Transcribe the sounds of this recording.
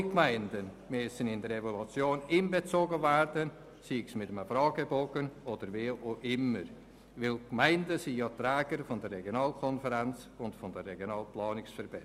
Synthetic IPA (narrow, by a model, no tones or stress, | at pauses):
ikmaɪndən | møsənɪndəɾevolut͡sjoːniːnbet͡soːɡəvɛrdən | siːksmɪtəməfrɑːɡeboːɡənʔod̥əɾveːʔoʔɪməɾ | vɪlkmaɪndəsijɑːtrɛːɡ̥əɾfʊndərːɛɡjonɑːlkʰɔnfəɾɛnt͡s | ʊntfʊndərːeɡjonɑːlplɑːnɪksfəɾb̥ɛ